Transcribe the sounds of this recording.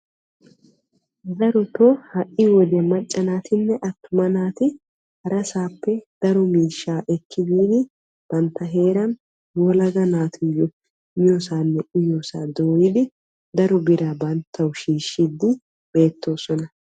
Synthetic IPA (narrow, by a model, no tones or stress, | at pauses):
d̪ɐɾɔt̪ɔhɐʔːɪwɔd̪ɛmɐt͡ʃʼːɐnaːt̪ɪnːɛʔɐt̪ːʊmɐnaːt̪ɪ | hɐɾɐsaːpːɛd̪̥ɐɾɔmiːʃːaːʔɛkʰːɪd̪iːd̪ɪ | b̥ɐnt̪ːɐɦe̞ːɾɐn | ɔlɐɡɐnaːt̪ʰʊjɔ | osaːnːɛʔɪjosaːd̪oːjɪd̪ɪ | d̪ɐɾɔbɪɾɐbɐnt̪ʰːɐwʃiːʃːid̪ɪ | b̥e̞ːt̪ːo̞ːsɔnɐ